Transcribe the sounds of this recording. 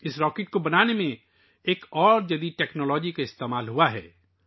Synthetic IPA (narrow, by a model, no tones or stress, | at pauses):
ɪsɾɔːkeʈ̚kobɐnaːnemẽ | eːkɔːɾd͡ʒɐd̪iʈɛːknɔːlɔːd͡ʒikaɪst̪eːmaːlɦuaɦɛ̰ː